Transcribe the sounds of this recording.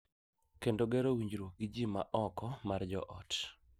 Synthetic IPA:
kendoɡɛɾowiɲd͡ʒɾwoɡid͡ʒima̰ʔɔkɔmard͡ʒɔ̰ʔɔt

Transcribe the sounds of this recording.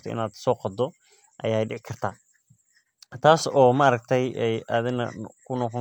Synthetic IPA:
t̪ʰɔʔɪ̰naːd̪sɔːqɑd̪ɔ | ʔɐ̰jaːjɖɪʕɪkʰɐrt̪ʰaː | t̪ʰaːsɔːmaɾɐɡ̚t̪ʰɛjɛja̰ːðɪnɐ̰kʰʊnɔqɔ

